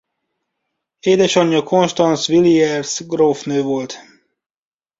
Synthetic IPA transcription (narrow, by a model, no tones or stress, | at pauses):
eːd̪ɛʃɒɲːɒkʰo̞nʃt̪ɒnsʋiliɛrsɡrofnøːvo̞lt̪